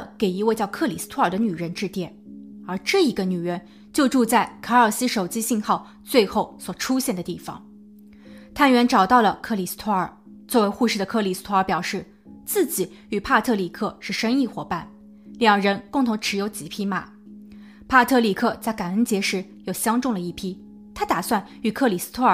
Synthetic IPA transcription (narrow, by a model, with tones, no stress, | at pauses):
ke˨˩ɪi˧˥we˥˧t͡ɕjɑ˥˧ʊkʰɤ˥˩li˨˩s̩˥t̪ʰwə˞˨˩d̪ə˦ny˨˩ɻə˧˥nʈ͡ʂɻ̩˥˧t̪jɛ˥˩nə˞˧˥ʈ͡ʂɤ˥˩i˧˥ɡə˧ny˨˩ɻə˧˥n | t͡ɕjo˥˧ʊʈ͡ʂu˥˧t͡sa˥˩ɪkʰɤ˧˥ə˞˨˩sɹ̩˥ʂo˨˩ʊt͡ɕi˥ɕi˥˧ŋxɑ˥˩ʊ | t͡swe˥˧ɪxo˥˩ʊswɔ˨˩ʈ͡ʂʰu˥ɕjɛ˥˩nd̪ə˩t̪i˥˩fɑ̰˩ŋ | t̪ʰa˥˩nɥɛ˧˥nʈ͡ʂɑ˨˩ʊt̪ɑ˥˩ʊlə˩kʰɤ˥˩li˨˩s̩˥t̪ʰwɔ˥ə̰˞˨˩ | t͡swɔ˥˩we˧˥ɪxu˥˧ʂɻ̩˥˩d̪ə˩kʰɤ˥˩li˨˩sɹ̩̥˥t̪ʰwɔ˥ə˞˧˥pjɑ˨˩ʊʂɻ̩˥˩ | t͡sɹ̩˥˩t͡ɕi˨˩˦ | y˨˩pʰa˥˧t̪ʰɤ˥˩li˨˩kʰɤ˥˧ʂɻ̩˥˩ʂɤ˥ŋi˥˩xwɔ˨˩pa˥˩n | ljɑ˨˩ŋɻə˧˥nkʊ˥˩ŋt̪ʰʊ˧˥ŋʈ͡ʂʰɻ̩˧˥jo˧˥ʊt͡ɕi˨˩pʰi˥ma̰˨˩˦ | pʰa˥˧t̪ʰɤ˥˩li˨˩kʰɤ˥˧t͡sa˥˩ɪka˨˩nə˧˥nt͡ɕjɛ˧˥ʂɻ̩˧˥jo˨˩ʊɕjɑ˥ŋʈ͡ʂʊ˥˩ŋlə˩i˥˩pʰi˥ | t̪ʰa˥t̪a˨˩swa˥˩n | y˨˩kʰɤ˥˩li˨˩s̩˥t̪ʰwɔ˥ə˨˩